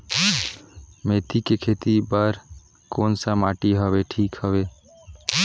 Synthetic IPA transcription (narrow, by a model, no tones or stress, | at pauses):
meːt̪ikekʰeːt̪ibəɾ | koːnsəmaːʈiɦəʋeʈʰiːkhəʋe